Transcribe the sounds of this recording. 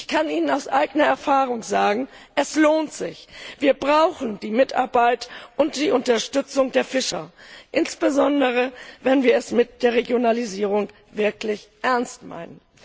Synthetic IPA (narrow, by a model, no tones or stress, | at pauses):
ɪçkʰanʔiːnənaʊsʔaɪɡənɐɛɐfaːʁ̞ʊŋzaːɡŋ̩ | ʔɛsloːntz̥ɪçv̥iːɐbʁaʊxn̩diːmɪta̰ɐbaɪtʔʊntd̥iːʔʊntɐʃtʏt͡sʊŋdeːɐfɪʃɐ̰ʔɪnsb̥əzɔndəʁ̞əvɛnviːɐɛsmɪt̚d̥eːɐʁeɡjonaliziːʁ̞ʊŋ | vɪɐklɪçʔɛɐnstma̰ɪnən